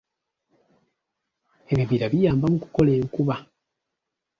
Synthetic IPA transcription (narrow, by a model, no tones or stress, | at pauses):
e̞βiviɾaβijaːmbamuku̥ko̞leːŋkuβa